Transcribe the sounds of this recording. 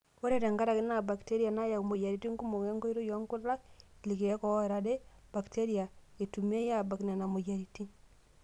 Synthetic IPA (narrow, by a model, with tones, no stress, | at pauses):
wo˦ɾe˦˨ɾɛ˨ŋɡa˦ɾa˨ɡi˦na˨ba˨kte˦ɾi˦a˨na˦ja˨u˨mo˨ja˨ɾi˨ti˦ŋku˦mo˨ŋɛ˦ŋɡɔ˦i˦ɾo˦jɔ˦ŋku˦ɾɾa˦kli˨ke˨ɛ˦kɔ˨ɔ˦˨ɾa˦de˦ba˨kte˦ɾia˨e˨tu˨me˦ja˦˨ba˨kna˨na˨mo˨ja˨ɾi˨ti˦